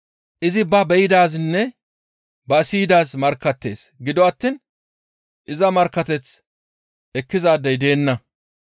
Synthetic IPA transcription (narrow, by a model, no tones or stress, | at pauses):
ʔɪzɪbɐbɛjɪd̪aːsnːɛ | bɐsiːd̪aːsmɐɾkːɐt̪ːe̞ːsɡɪd̪ɔwɐt̪ːiːn | ʔɪzɐmɐɾkːɐt̪ɛt͡s | ʔɛkːɪzaːd̪ːɐjd̪e̞ːnːɐ